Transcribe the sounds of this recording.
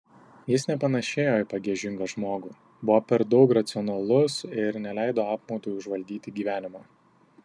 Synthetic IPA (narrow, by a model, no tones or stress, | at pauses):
jɪsnʲɛpɐnɐʃʲeːjoːɪpɐɡʲiɛʒʲɪŋɡɐʒmoːɡuː | bʊʋoːpʲɛɾd̪ɒʊkɾɐt̪sʲɪɔnɐlˠʊsɪɾnʲɛlʲæˑɪd̪oːɑːpmoːt̪uːjʊʒʋɐlʲd̪ʲiːt̪ʲɪɡʲiːʋʲæːnʲɪmɑː